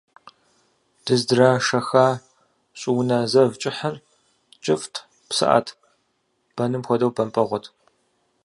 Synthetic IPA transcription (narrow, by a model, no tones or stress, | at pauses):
d̥ɨzdɨraːʂɐxaː | ɕʼɪwnaːzɐvt͡ʃʼɪħɐr | t͡ʃʼɪftʰ | psɨ̰ʔa̰ːtʰ | b̥ɐnɨmxʷɔdɐwbɐmpʼɐʁʷɔtʰ